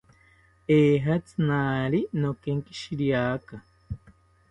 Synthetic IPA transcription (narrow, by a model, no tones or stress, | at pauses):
eːɦat͡sɨ̥naːɾinokeŋki̥ʃiɾiaːka